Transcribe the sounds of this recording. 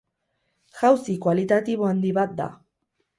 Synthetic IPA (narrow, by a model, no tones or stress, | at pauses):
xawsikwalit̪at̪iβoand̪iβat̪̚d̪a̰